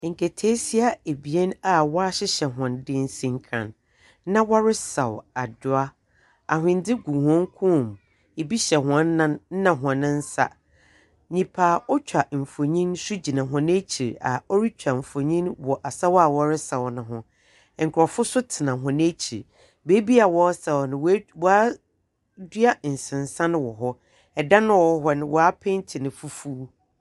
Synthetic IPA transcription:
ŋ̩˨kʰe˨tʰeː˦si˦a˦e˨bi˨ɛ˦na˨wɔ˦a˦ɕɪ˦ɕɛ˨ɦɔ̃˨ndɪ˦n̩˦sĩ˦ŋ˦kʰã̰˨nː | ã˦wɔ˦ɾɪ˦sa˨wa˨dʊ˦a˦ | a˨ɦɪ̃˨n˦dɪ˦ɡũ˨hɔ̃˦ŋ˦kʰũ˦˨m | e˨bi˦ɕɛ˨ɦʊ˨ã˦nː˦ã˦n̩˦nã˨ɦʊ̃˨ã˨nɪ̃˦n̩˦sa̰˦ | ɲĩ˨pʰaː˨ɔ˦t͡ɕᶣʰa˨m̩˨fo˨ɲĩ˦nsu˦d͡ʑi˨nã˨ɦʊ̃˨n˦e˦t͡ɕʰi˨ɾa̰˨ɔ˦ɾi˦t͡ɕᶣʰa˨m̩˨fo˨ɲĩ˦nwɔ˨ʔa˨sa˦wa˨wɔ˦ɾɪ˦sa˨ɔ˨nʊ̃˨ɦʊ̃˦˨ | ŋ̩˨kʰʊ˨ɾɔ˨fʊ˦sʊ˦tʰɪ˨nã˨ɦʊ̃˨nɪ̃˦t͡ɕʰḭ˨ɾ | be˦bi˦a˨wɔ˦ɾsa˨wɔ˨nɪ̃˨˦wɔ˦a˦ | dɥa˦n̩˨sɪ̃˨n˨sã˦nʊ̃˦wɔ˨ɦɔ˦ | ɛ˨dã˦nʊ̃˦wɔ˦ɦɔ˦nɪ̃˨wɔ˨a˦pʰɛ̃˦n˦tʰɪ˨nɪ̃˨fu˦fu˦

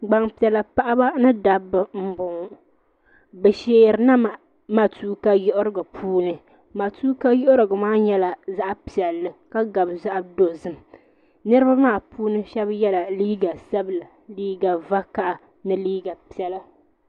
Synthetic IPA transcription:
ɡ͡ba˨ŋpi˨ɛ˨la˨pa˨ʔa˦ba˦nɨ˦da˨bːɨ˨m̩˦bʊ˨ŋ˨ | bɛ˨ʃeː˦˨ɾɨ˨na˦ma˨ | ma˨tuː˦ka˦jʊ˦ʔʊ˦ɾɨ˦˨ɡa˨pʰuː˦nɨ˦˨ | ma˨tuː˦ka˦jo˦ʔʊ˦ɾɨ˨ɡa˨maː˦ɲɛ˦la˨za˦ʔa˦pi˨ɛ˨lːɨ˦ka˦ɡa˨bza˦ʔa˦do˨zɨ˦m | nɨ˦ɾɨ˦ba˦maː˦˨puː˦nɨ˦ʃɛ˦bjɛ˦la˨liː˦ɡa˨sa˦bɨ˨la˨ | liː˦ɡa˨va˦ka˦˨ʔa˨ | nɨ˦liː˦ɡa˨pi˨ɛ˨la˦

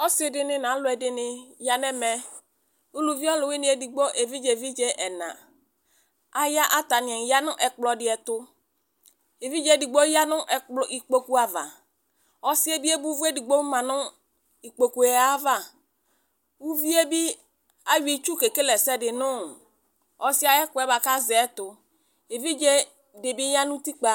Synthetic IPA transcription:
ɔ˦sɪ˦dɪ˦nɪ̃˦nã˨˦lʊ˨˦ɛ˨dɪ˨nɪ˨ja˨nɛ˦mɛ˦ | u˦lu˨vi˦ɔ˦lʊ˨wɪ˦nɪ̃˨˦ɛ˨di˨ɡ͡bo˦ʔe˨vi˦d͡ʒe˨vi˦d͡ʒe˦ʔɛ˨nã̰˨ | a˨ja˦ʔa˦ta˨nɪ̃˨ɛ˨n˨ja˦nʊ̃˦ʔɛ˨k͡plɔ˨dɪ˨˦ɛ˨tʊ˦ | e˨vi˦d͡ʒɛ˦˨di˨ɡ͡bo˦ja˦nʊ̃˦ʔɛ˨k͡plɔ˨ʔi˨k͡po˦ku˦a˨va˨ | ɔ˨sɪ˦e˦bi˦e˦bu˦vu˦e˦di˨ɡ͡bo˦mã˨nʊ̃˦ | i˨k͡po˨ku˨ɛ˨a˦va˨ | u˦vi˦e˦bi˦ | a˦ji˨t͡ʃu˦ke˨ke˦lɛ˨sɛ˦dɪ˨nʊ̃˦˨ | ɔ˨sɪ˦a˦ɛ˦kʊ˨ɛ˦ba˨ka˦zɛ˨˦tʊ˨ | e˨vi˦d͡ʒe˦ | de˨bi˦ja˦nʊ̃˦ti˦k͡pa˨

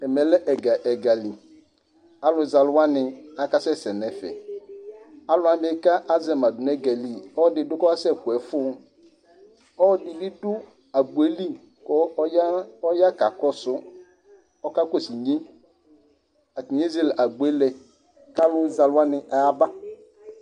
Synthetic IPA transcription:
ɛ˨mɛ̃˨lɛ˦ʔɛ˨ɡa˨ʔɛ˨ɡa˨li˨ | a˦lʊ˨za˨lwa˦nɪ̃˨a˨ka˦sɛ˦sɛ˨nɛ˨fɛ̰˨ | a˦lʊ˨˦a˦bɪ˦ka˦ʔa˦zɛ˨ma˨dʊ˨nɛ˦ɡa˨li˦ɔ˦˨dɪ˨˦dʊ˦kɔ˦a˦sɛ˦˨kʊ˨ɛ˨fʊ˦ | ɔ˦dɪ˨bɪ˦dʊ˦ | a˨bu˨e˦li˦ | kɔ˦ɔ˦ja˦ka˨kɔ˦sʊ˦ | ɔ˦ka˦ko˦si˨ɲĩ˦ | a˨ti˨ɲ˦e˦ze˦˨la˨bu˨e˦lɛ˨ | ka˦lʊ˦za˨la˦nɪ̃˨ʔa˨a˦ba˦

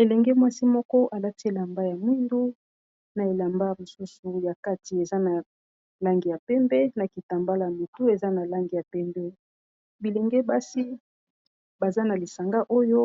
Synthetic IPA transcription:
e˨lɛ˨ŋɡɛ˦mwa˦si˦mɔ˦kɔ˦ʔa˨la˦ti˦e˨la˨mba˦ja˨mwi˦ndu˦ | na˨e˨la˨mba˦mo˨su˦su˨ja˨ka˦ti˨e˨za˦na˨ | la˦ŋɡi˨ja˨pɛ˦mbɛ˦na˨ki˨ta˨mba˦la˨ja˨mo˨tu˦e˨za˦na˨la˦ŋɡi˨ja˨pɛ˦mbɛ˦ | bi˨lɛ˨ŋɡɛ˦ba˦si˦ | ba˨za˦na˨li˨sa˨ŋɡa˦ʔo˦jo˦

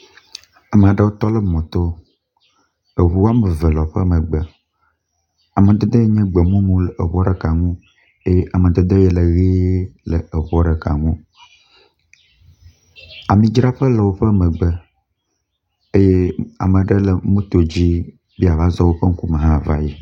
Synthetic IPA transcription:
a˨mə˨a˨ɖə˦wo˦t̪ɔ˦lə˦mɔ̃˨t̪o˦ | ə˨βu˦a˦mə˨və˨lɔ˨ɸə˦mə̃˨ɡ͡bə˨ | a˨mə̃˨d̪e˦d̪e˦je˦ɲɛ̃˦ɡ͡bə˨mũ˦mũ˦lə˨ʔə˨βɔ˦ɖə˨ka˨ŋũ˦ | e˦je˦ʔa˨mə̃˨d̪e˦d̪e˦jɛ˦˨lə˨ɣe˦lə˨ə˨βɔ˦ɖə˨ka̰˨ŋũ˦ | a˨mĩ˨d͡ʒɾa˦ɸə˦lɔ˨wo˦ɸə˦mə̃˨ɡ͡bə˦ | e˦je˦a̰˨mə̃˨ɖə˦lə˨mũ˦t̪o˨d͡ʑi˦ | bi˦a˨va˦zɔ˦wo˦ɸə˦ŋ̩˦ku˦mə̃˨ɦã˦˨va̰˦je˨

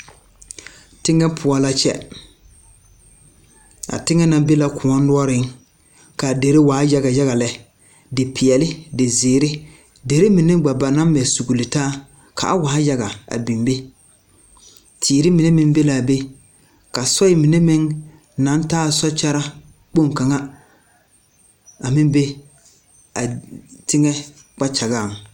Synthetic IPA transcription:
tɪ˦ŋɛ˦pʰʊ˨ɔ˨la˦t͡ʃɛ̰˦ | a̰˨tɪ˦ŋɛ˦na˨be˦la˨kʰʊ˨ɔ˦nː˦ʊ˦ɔ˦ɾɪ˦ŋ | ka˨de˨ɾe˦waː˨˦ja˦ɣa˨ja˦ɣa˨lɛ˦ | dɪ˨pʰɪ˨ɛ˨lɪ˦dɪ˨zeː˨ɾɪ˦ | de˨ɾe˦mi˨ne˦ɡ͡ba˨ba˨na˦m˦mɛ˨su˨ɡu˨lɪ˨taː˦ | kʰa̰˨ʔa˦waː˨˦ja˦ɣa˨a̰˨bi˨mbe˦ | tʰiː˨ɾɪ˦mɪ˨ne˦mɪ˦ŋ˦be˦la˨be˦ | ka˨sɔ˦ɪ˦mɪ˨ne˦mɪ˦ŋ | na˨˦n˦taː˦˨sɔ˦t͡ʃa˦ɾa˦ | k͡po˦ŋka˨ŋa˦ | a˨mɪ˦mbe˦ | a˨tɪ˦ŋɛ˦ | k͡pa˦t͡ʃa˨ɣaː˦˨ŋ

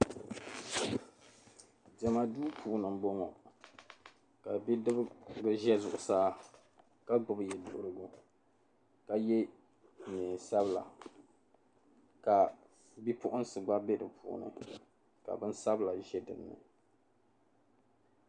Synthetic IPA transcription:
d͡ʒɛ˨ma˨duː˦pʰuː˨nɨ˨m˨bɔ˦ŋɔ˨ | ka˨bi˦dɨ˦bɡɨ˦ʒɛ˦zʊ˨ʔʊ˨saː˦ | ka˦ɡ͡bʊ˨bɨ˨jɛ˨dʊ˨ʔʊ˦ɾɨ˦ɡu˦ | ka˨jɛ˦˨ | ɲɛː˨sa˦bla̰˨ | ka˨ | bi˦pʊ˦ʔʊ˦n˦sɨ˨ɡ͡ba˦bɛ˦dɨ˨pʰṵ˦˨ʔʊ̰˨nɨ̰˨ | ka̰˨bɨ˦n˦sa˦bla˨ʒɛ˦dɨ̰˨bnɨ̰˨

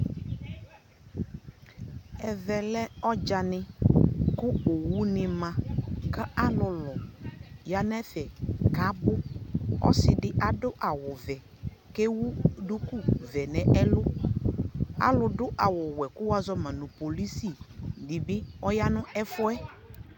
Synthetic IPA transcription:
ɛ˨vɛ˨lɛ˦ɔ˦d͡ʒa˨nɪ˦kʊ˦o˨wu˦nɪ˨mã˨ka˦a˦lʊ˨lɔ˨ja˦nɛ˦fɛ˨ka˨˦bʊ˦ɔ̰˦sɪ˨dɪ˦ʔa˨dʊ˦ʔa˨wʊ˨vɛ˨ | ke˦wu˦dʊ˦ku˦vɛ˨nɛ̃˨ɛ˦lʊ˦ | a̰˦lʊ˨dʊ˦ʔa˨wʊ˨wɛ˨kʊ˦wa˦zɔ˦mã˨nʊ̃˨po˨li˦si˦˨dɪ˨bɪ˦ɔ˦ja˦nʊ̃˦ʔɛ˦fʊ˦ɛ˦

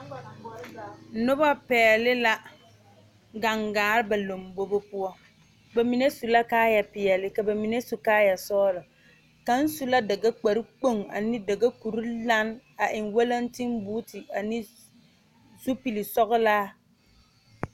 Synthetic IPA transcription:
nʊ˦ba˦pɛː˨lɪ˦la˦ | ɡa˨ŋɡaː˨ɾɪ˦ba˨lo˨mbo˦bo˦pʊ˦ɔ˦ | ba˨mi˨ne˦su˨la˦kaː˦ja˨pɪ˨ɛ˨lɪ˦ka˨ba˨mi˨ne˦su˨kaː˦ja˨sɔː˦lɔ˨ | ka˨n̩˦su˦la˦da˨ɡa˦k͡pa˨ɾi˦k͡po˦˨ŋa̰˨nɪ˦da˨ɡa˦ku˨ɾu˦la˦n | a˨ʔɪ˨ŋwa˦la˦ntɪ˦mbu˦tɪ˨a˨nɪ˦ | zu˦pi˨lɪ˨sɔ˦ɣʊ˦laː˦

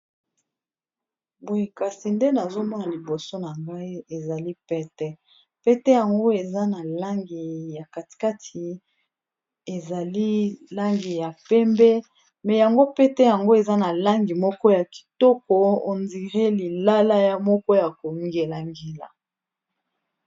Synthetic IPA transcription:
bo˨e˨ka˨si˨nde˦na˨zo˦mɔ˦na˨li˨bo˨so˦na˨ŋɡa˦i˦e˨za˨li˦pɛ˦tɛ˦ | pɛ˦tɛ˦ja˨ŋɡo˦e˨za˦na˨la˦ŋɡi˨ja˨ka˨ti̥˨ka˦tʰi˨ | e˨za˨li˦la˦ŋɡi˨ja˨pɛ˦mbɛ˦ | mɛ˨ja˨ŋɡo˦pe˦tɛ˦ja˨ŋɡo˦e˨za˦na˨la˦ŋɡi˨mɔ˦kɔ˦ja˨ki̥˨tɔ˦kɔ˨o̰˨nzi˨ʁe˦li˨la˦la˦ja˦mɔ˦kɔ˦ja˨ko˨ŋɡe˨la˨ŋɡi˨la̰˨

